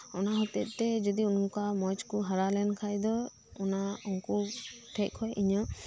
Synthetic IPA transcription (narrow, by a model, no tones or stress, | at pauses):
ɔnaɦɔt̪ɛt̪̚t̪ɛd͡ʒɔd̪iunkamɔt͡ʃkuɦaɾalɛnkʰajd̪ɔ | ɔnaɔŋkuʈʰɛc̚hʰɔjʔiɲɔ